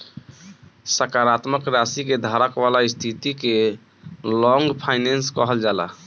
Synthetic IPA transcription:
səkaɾat̪məkɾasiked̪ʱaɾəkbalaist̪ʰit̪ike | lɔŋɡpʰaɪnenskɔɦəld͡ʒala̰

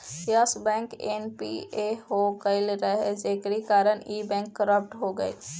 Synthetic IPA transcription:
jəsbɛ̃ːŋkenpḭeɦokəɪlɾəɦed͡ʒeːkɾikaːɾəɽiːbɛ̃ːŋkːəɾəp̚ʈɦoɡəḛː

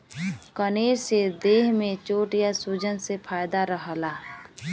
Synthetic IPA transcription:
kəneːɾsed̪eːɦmẽt͡ʃoːʈijasuːd͡ʒənsepʰaːjd̪aɾəɦlaː

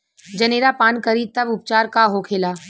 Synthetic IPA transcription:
d͡ʒɐneːɾapaːnkɐɾit̪ɐbʊp̚t͡ʃaːɾkaɦokʰeːlaː

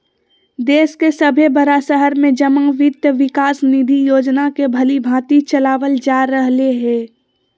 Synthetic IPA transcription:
d̪eːskesəbʱebəɾasəɦəɾmẽd͡ʒəməŋʋɪt̪jəʋɪkaːsnid̪ʱijoːd͡ʒnakebʱəlibʱãːt̪it͡ʃɐlaːʋəld͡ʒaːɾəɦleɦɛ̃ː

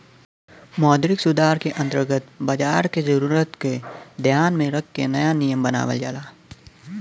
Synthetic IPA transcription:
mɔːd̪ɾɪksʊd̪aːɾkeʔɐ̃nt̪əɾɡət̪bɐd͡ʒaːɾkezɐɾuːɾət̪ked̪ʱjaːnmẽɾɐkʰːenɐjanijəmbəna̰ːʋə̰ld͡ʒa̰ːlaː

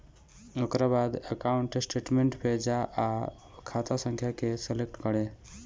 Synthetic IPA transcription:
okɾabad̪əkauɳʈsʈeʈmeɳʈpʰed͡ʒaʔa | kʰat̪asə̃ŋkʰjakeselek̚ʈkəɽe

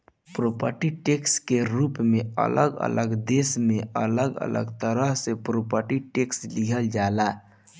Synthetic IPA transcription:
pɾopəɾʈiʈekskeɾuːpmẽə̰ləɡə̰ləɡd̪esmẽʔə̰ləɡə̰lə̰ɡt̪əɾəɦsepɾopəɾʈiʈeksliɦəld͡ʒaːla

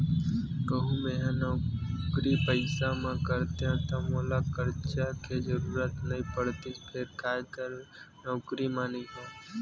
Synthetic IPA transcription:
ɡəɦumeɦãnɔːkɾipəɪsamẽkəɾt̪eɦãt̪ɔmoːlakəɾt͡ʃaked͡ʒəɾuːɾət̪nəĩpəɽt̪ipʰeɾkʰaːjkəɾ | nɔːkɾimanĩɦɛ̃

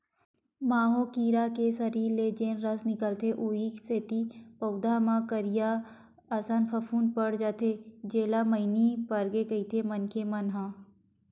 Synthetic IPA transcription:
maːɦokiːɾakesəɾiːɾled͡ʒeːnɾəsnɪkəlt̪ʰeʔuːikseːt̪ipɐʊd̪amãkəɾijaː | sanpʰəfʰuːnpəɽd͡ʒaːt̪ʰed͡ʒeːlaməɪnipəɾɡekɐit̪ʰemənkʰemɐnɦãː

